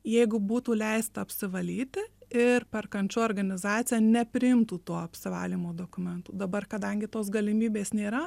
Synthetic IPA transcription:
jɛɪɡʊbuːt̪uːlʲɛɪst̪ɐɐpʲsʲɪʋɐlʲiːt̪ʲɪɪrpʲɛrkɐnʲt͡ʃʲuːɔːrɡɐnʲɪzɑːt͡s̪sʲɪjɛnʲɛpʲɾʲɪɪmt̪uːt̪uɔɐpʲsʲɪʋɑ̰ːlʲiːmoːd̪oːkʊmʲɛnt̪uːd̪ɐbɐrkɐd̪ɐŋʲɡʲɪt̪oːsɡɐlʲɪmʲiːbʲeːsnʲeːɾɐ

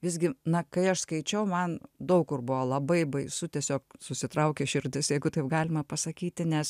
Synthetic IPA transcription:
ʋʲɪzʲɡʲɪnɐkɐɪɐʃskɐɪt͡ʃʲɛʊmɐnd̪ɐʊkkʊrbʊʋolˠɐbɐɪbɐɪsʊt̪ʲiɛsʲoːk̚sʊsʲɪt̪ɾɐʊkʲeʃʲɪɾʲd̪ʲɪsjɛɪɡʊt̪ɐɪp̚ɡɑːlʲɪmɐpɐsɐkʲiːt̪ʲɪnʲɛs

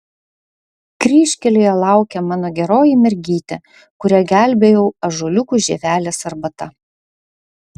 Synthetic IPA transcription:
kɾʲiːʃʲkʲɛlʲejɛlˠɑˑʊkʲɛmɑːnoːɡʲɛɾoːjimʲɛɾʲɡʲiːt̪ʲɛ | kʊɾʲɛɡʲæˑlʲˑbʲejɛʊɐʒoːlʲʊkuʒʲḛːʋʲæːlʲɛsɐɾbɐt̪ɐ

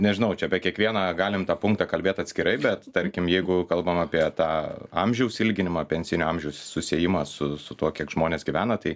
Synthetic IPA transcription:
nʲɛʒʲɪnɐʊt͡ʃʲɛɐpʲɛkʲiɛkʋʲiɛnɑːɡɑːlʲɪmt̪ɑːpʊŋkt̪ɑːkɐlʲbʲeːt̪ɐt̪ʲsʲkʲɪɾɐɪbʲɛt̪t̪ɐɾʲkʲɪmjɛɪɡʊkɐlˠbɐmɑːpʲiɛt̪ɑːɐmʲʒʲɛʊsɪlʲɡʲɪnʲɪmɑːpʲɛnʲsʲɪnʲʊɐmʲʒʲɛʊssʊsʲeɛːjɪmɑːsʊsʊt̪uɔkʲiɛkʒ̥moːnʲeːsɡʲɪʋʲæːnɐt̪ɐɪ

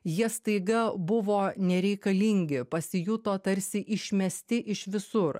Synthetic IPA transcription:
jiɛst̪ɐɪɡɐbʊʋoːnʲɛɾʲɛɪkɐlʲɪŋʲɡʲɪpɐsʲɪjut̪oːt̪ɐɾʲsʲɪʔɪʃʲmʲɛsʲt̪ʲɪʔɪʃʋʲɪsʊɾ

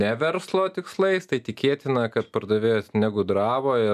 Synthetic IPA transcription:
nʲɛʋʲɛɾslˠoːt̪ʲɪkslˠɐɪst̪ɐɪt̪ʲɪkʲeːt̪ʲɪnɐkɐt̪pɐrd̪ɐʋʲeːjoːsnʲæɡʊd̪ɾɑːboːɪ

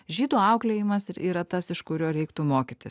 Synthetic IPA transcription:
ʒʲiːd̪uːɐʊklʲeːjɪmɐsɪɾʔiːɾɐt̪ɐsɪʃkʊɾʲoːɾʲɛɪkt̪umoːkʲit̪ʲɪs

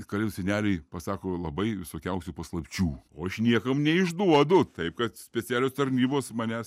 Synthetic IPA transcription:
kɐlʲʊsʲɛnʲæːlʲɛɪpɐsɑːkoːlˠɐbɐɪʋʲɪsoːkʲɛʊsʲupɐslˠɐpʲt͡ʃʲuːoːɐʃnʲiɛkɐmnʲɛɪʒd̪uɔd̪ʊt̪ɐɪp̚kɐt̪sʲpʲɛt͡sʲæːlʲoːst̪ɐɾʲnʲiːboːsmɑnʲæs

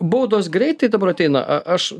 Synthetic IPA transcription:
boːd̪oːsɡɾʲɛɪt̪ːɐɪd̪ɐbɐɾɐt̪ʲɛɪnɐ̰ʔɐʔɐʃ

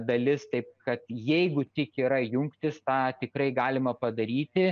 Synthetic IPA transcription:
d̪ɐlʲɪst̪ɐɪp̚kɐt̪jɛɪɡʊt̪ʲɪkiːɾɐjʊŋkt̪ʲɪst̪ɑːt̪ʲɪkrɐɪɡɑːlʲɪmɐpɐd̪ɐɾʲiːt̪ʲɪ

